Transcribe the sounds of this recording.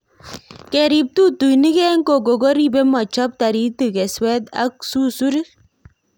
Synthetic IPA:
kɛ˨ɾi˨p̚tu˦tu˨jni˦kɛ˦ŋko˨k̬o˨ko˦ɾi˦be˦mɔ˨t͡ʃɔ˦p̚ta˨ɾi˦ti˨kɛ˨swɛ˦t̪a̰˦k̚su˦su˦ɾ

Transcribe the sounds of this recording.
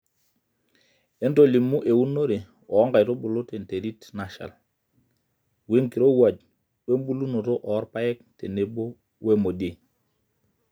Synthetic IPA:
e˦nto˦˨li˨mu˦ʔe˨u˦no˦ɾe˨ | ɔ˨˦ŋɡa˨jto˦bʊ˨lo˦te˨n˨te˨ɾi˦tna˨ʃa̰˨l | we˦ŋki˨ɾo˦wa˨d͡ʒ̚ | e˦mbu˦lu˦no˨to˦ʔɔ˨˦ɾpa˦ɛ˦k̚te˨ne˨bo˦ | we˦mo˨de˨

